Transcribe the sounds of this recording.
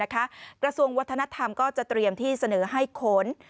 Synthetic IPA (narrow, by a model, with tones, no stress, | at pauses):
a˦˥kʰa˦˥kɾa˧su˧əŋwa˦˥t̪ʰːa˧na˦˥t̪ʰa˧mkɔː˥˩t͡ɕa˨˩t̪ɾi˧əmt̪ʰiː˥˩sa˧nɤː˩˦ɦa˥˩jkʰo˩˦n